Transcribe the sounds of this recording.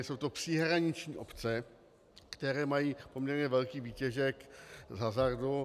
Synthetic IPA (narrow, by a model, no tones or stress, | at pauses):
sowt̪opr̝̥iɦɾaɲɪt͡ʃɲiːʔo̞pt͡sɛ | kt̪ɛɾɛːmajiːpomɲɛɾɲɛvɛlkiːviːcɛʒɛkzɦazaɾdu